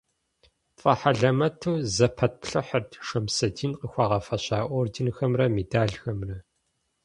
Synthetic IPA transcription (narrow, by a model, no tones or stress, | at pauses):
fʼɐħaɮɐmɐtʰuːzɐpʰɐt̚pɬɐħərtʰʂɐmsɐdiːnqəxʷɑːʁɐfɐɕaːʔʷɔːrdɪnxɐmrɐmedaːɮxɐmrɐ